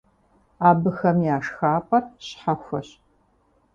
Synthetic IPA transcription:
aːbɨxɐmjaːʂxaːpʼɐrɕħaxʷɐɕ

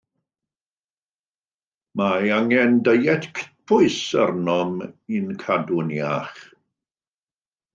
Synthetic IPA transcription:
maaŋɛndəjɛtʰkʰə̥tpʰʊɨsə̰rnɔminkʰadʊnjaχ

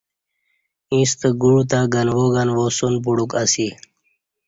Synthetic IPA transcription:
ĩst̪əɡuɻut̪aɡənʋoɡanʋosunp̬uɽukasi

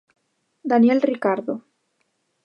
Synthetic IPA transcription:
d̪anjelrikaɾðo

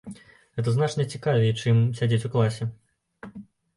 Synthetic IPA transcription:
ɣɛt̪ɐznat͡ʂnʲɐt͡sʲikavʲɛjt͡ʂɨmsʲad͡zʲet͡sʲuklˠasʲɛ

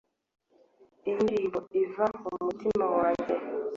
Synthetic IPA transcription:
indiːmboivaumutimawaːɲɟe

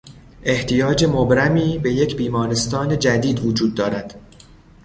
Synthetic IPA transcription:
ʔe̞ht̪ʰijɒːd͡ʒe̞mobɾæmiːbe̞je̞cʰbiːmɒːɾe̞st̪ɒːne̞d͡ʒæd̪iːd̪vod͡ʒuːd̪ːɒːɾæd̪̥

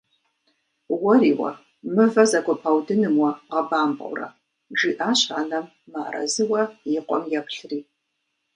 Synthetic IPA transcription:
wɐriːwɐ̰ | mɨvɐzɐkʷɔpʰawdɨnɨmwɐʁɐbaːmbʼɐ̰wrɐ̰ | ʈ͡ʂiːʔaːɕħanɐmːaːrɐ̰zɨwɐjɪqʷʼɔ̰mjɛpɬɨriː

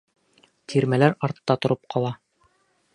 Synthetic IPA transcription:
t̪ʰiɾmælæɾɑɾt̪ːɑt̪ŏɾɤp̚qʰɑlˠɑ

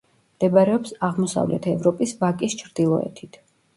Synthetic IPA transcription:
md̪̥ɛbaɾɛɔpsaʁmɔsa̰vlʔɛ̰t̪ʰɛvɾɔpʼisvakʼist͡ʃʰɾd̪̥ilˠɔɛ̰t̪ʰit̪ʰ

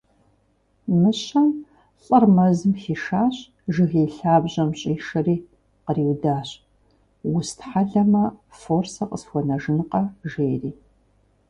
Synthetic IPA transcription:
mɨɕɐm | ɬʼɐrmɐzɨmxiːʃaːɕʼ | ʒɨɣeːɬaːbʑɐmɕʼiːʃɐriː | qəriːwdaːɕʼ | wʊstħaɮɐmɐforsɐqʼəsxʷɔnɐʒɨnɨqɐʒeːriː

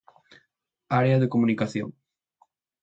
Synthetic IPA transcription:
aɾeɐðekomunikaθjo̰ŋ

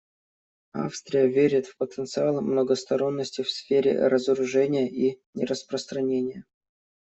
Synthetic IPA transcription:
a̰fst̪ɾʲɪjəvʲeɾʲɪt̪fpət̪ənt̪sɨalˠmnəɡəst̪ɐɾo̞nːəsʲtʲɪfsfʲeɾʲɪ̰ɾəzəɾʊʐɛnʲɪjəʔinʲɪɾəspɾəst̪ɾɐnʲenʲɪjə

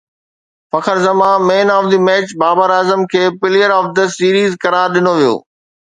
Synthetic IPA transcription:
fɐkʰəɾzɐmãmeːnaːʋd̪iːmɛːt͡ɕbaːbəɾaːzəmkʰeːpɪlijəɾɔːfd̪əsiːɾiːzkɐɾaːɾɗɪnoʋijo̰ː

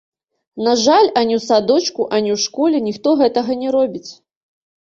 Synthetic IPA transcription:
naʐalʲanʲɛwsad̪ɔt͡ʃkuʔanʲɛwʂkɔlʲɛnʲixt̪ɔɣɛt̪ɐɣɐnʲɛɾɔbʲit͡sʲ

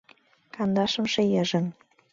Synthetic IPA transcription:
kɑnd̪ɑʃə̆mʃĕjə̆ʒə̆n

